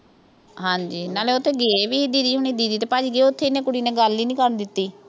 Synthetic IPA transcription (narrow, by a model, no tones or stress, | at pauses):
ɦãːɲd͡ʒiːnaːleːʊt̪ʰːeːɡeːbiːɦɪd̪iːd̪iːɦʊniːd̪iːd̪iːt̪eːpaːd͡ʒiːɡeːʊt̪ʰːeːɪnẽːkʊɽiːneːɡəlːiːnĩːkəɾənd̪ɪt̪ːiː